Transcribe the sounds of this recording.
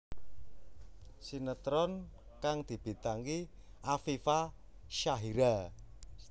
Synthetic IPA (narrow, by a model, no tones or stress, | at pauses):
sinət̪ɾɔn | kaŋd̪̥i̤b̥i̤t̪aŋki | ʔafifa | ʃaɦiɾa